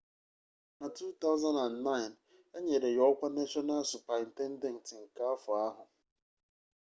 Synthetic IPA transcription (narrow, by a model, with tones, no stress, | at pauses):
na˨tu˦t̪a˦ʊ˦za˦na˨nna˦ɪ˨n | e˦ɲe˨ɾe˨jɔ˦kʷa˦ne˦t͡ʃɔ˦na˦lsu˨pa˨i˨n̩˨te˦n̩˦de˦n̩˨tɪ˨ŋ̩˨ka˦a˦fʊ˨a˦ɦʊ˨